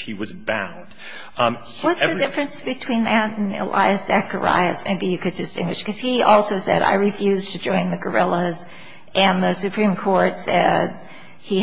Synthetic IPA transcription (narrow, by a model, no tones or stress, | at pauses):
hiwʌzbã̰ʊ̃nd̥ | wʌtsðɨdɪfɹɨ̃nsb̥ɨtʰw̥ĩnðɨɾ̃n̩ɪ̰la̰ɪɨsz̥ækə̰˞a̰ɪɨsmeɪbijɨkɨdɨstɪ̃ŋɡwɨʃkʌz̥iʔɔlˠsoʊsɛ̰ɾa̰ɪɹɨfjʉztʰɨd͡ʒɔ̃ɪ̃nðɨɡə˞ɪlˠəz | ʔɨ̃nðɨsɨpʰɹ̥ĩmkʰɔɹtsɛd̚ | i